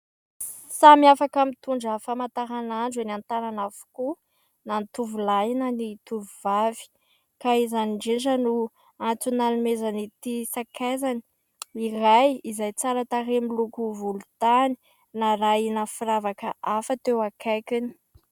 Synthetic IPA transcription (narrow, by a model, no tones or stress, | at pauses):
samiafakamit̪uɳɖ͡ʐəfamat̪aɾanaɳɖ͡ʐanant̪aɾanafu̥ku | nanit̪uvulajinanit̪uvuvavi̥ | kaizaniɳɖ͡ʐeɳʈ͡ʂənu | ant͡sunalumezanit̪isakʰezani̥ | irajizajt͡saɾət̪aɾemilukuvulut̪ani̥ | naɾajnafiɾavakəʔafət̪ewakʰajkini̥